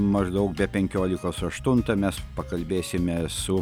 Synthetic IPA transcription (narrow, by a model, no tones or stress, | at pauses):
mɐʒd̪ɐʊk̚bʲɛpʲɛŋʲkʲoːlʲɪkoːsɐʃt̪ʊnt̪ɐmʲɛspɐkɐlʲbʲeːsʲɪmʲɛsʊ